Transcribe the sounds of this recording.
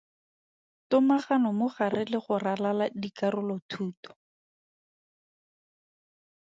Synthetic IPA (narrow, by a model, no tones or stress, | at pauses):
tʊmaχanɔmʊχarʔɪlɪχʊralaladikarʊlɔtʰuːtɔ̥